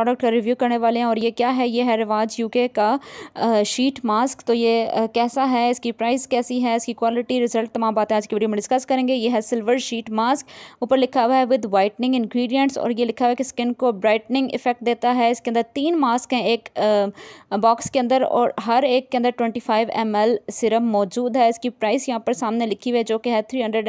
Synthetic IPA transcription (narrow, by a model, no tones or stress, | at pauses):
ɾɔːɖək̚ʈkaɾɪʋjuːkɐɾneʋaːleɦɛ̃ɔːɾjekjaːɦɛjeɦɛɾɪʋaːd͡ʒjuːkeka | ʃiːʈmaːskt̪ojeːkɛːsaɦɛɪskipɾaːɪzkɛːsiɦɛɪskikwɔːlɪʈiɾɪzəlʈ̚t̪ɐmãːmbaːt̪ẽaːd͡ʒkiʋeɖimẽɖɪskɐskɐɾẽːŋɡejeːɦɛsɪlʋəɾʃiːʈmaːskuːpəɾlɪkʰaʋɦɛʋɪd̪ʋaːɪʈnɪ̃ŋɡɪ̃nɡɾiːɖijə̃ɳʈsɔ̰ːɾjelɪkʰaɛkeskɪnkobɾaːɪʈnɪ̃ŋɡɪ̰fɛk̚ʈ̚d̪eːt̪aɦɛɪskeɐ̃nd̪əɾt̪iːnmaːskɦɛ̃eːk | bɔːkskeɐ̃nd̪əɾɔ̰ːɾɦɐɾeːkːeɐ̃nd̪əɾʈwɛ̃ɳʈifʰaːɪʋɛ̰mɛlsɪɾəmːɔːd͡ʒuːd̪ɦɛɪskipɾaːɪsjɐɦãːpəɾsaːmnelɪkʰiʋed͡ʒoːkeɦɛt̪ʰɾiːɦɐ̃ɳɖəɖ